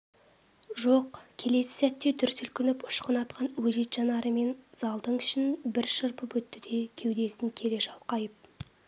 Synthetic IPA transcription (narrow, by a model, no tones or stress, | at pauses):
ʒoqkʲʰe̞le̞sɪ̥sæt̪ːe̞t̪ʰʏɾt̪ʰʏlkʲɪnɪpʊ̥ʃqənɑt̪qɑnwɵʒet̪ʒɑnɑɾəme̞nz̥ɑlˠd̪əɴʏʃɪnbɪɾʃəɾpəpwɵt̪ːɪd̪e̞kʲʰe̞wd̪e̞sɪŋkʲʰe̞ɾe̞ʃɑlˠqɑjəp̚